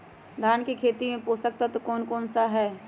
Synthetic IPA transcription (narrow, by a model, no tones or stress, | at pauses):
d̪ʱaːnkekʰeːt̪imẽpoːsək̚t̪at̪okɔːnkɔːnsaɦɛː